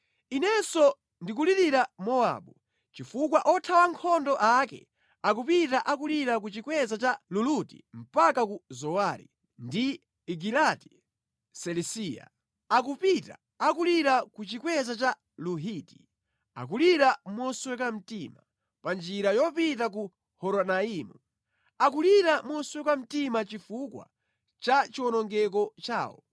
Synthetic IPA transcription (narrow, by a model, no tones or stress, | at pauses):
inɛsɔ | ndik̬uliɾiɾamɔa̰ːɓu | t͡ʃifukwaʔɔtʰawaŋkʰɔndɔʔakɛ̰ | ak̬upitaʔakuliɾak̬ut͡ʃikwɛzat͡ʃalulutḭm̩pakakuzɔwaːɾḭ | ndi | iɡilati̥ | sɛlisija̰ | ak̬upita̰ːkuliɾakut͡ʃikwɛzat͡ʃa | luɦiti̥ | a̰k̬uliɾamɔswɛkam̩tima | pand͡ʒiɾajɔpitak̬u | hɔɾɔnaimu | ak̬uliɾamɔswɛkwam̩timat͡ʃifukwa̰ | t͡ʃat͡ʃiwɔnɔŋɡɛk̬ɔt͡ʃa̰ːwɔ̰